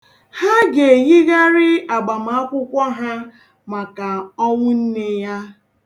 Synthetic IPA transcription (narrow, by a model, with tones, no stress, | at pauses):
ha˦ɡe˨ɲi˦ɣa˦ɾɪ˦a˨ɡ͡ba˨m̩˨a˦kʷʊ˦kʷɔ˦ɦa˦ | ma˨ka˨ɔ˦ŋʷʊ˦n̩˦ne˨ja˦